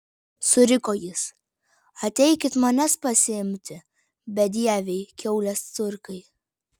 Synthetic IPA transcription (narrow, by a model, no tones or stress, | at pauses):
sʊɾʲɪkoːjɪs | ɐt̪ʲɛɪkʲɪt̪mɐnʲɛspɐsʲɪɪmʲt̪ʲɪ | bʲɛd̪ʲiɛʋʲɛɪkʲɛʊlʲɛst̪sʊɾkɐɪ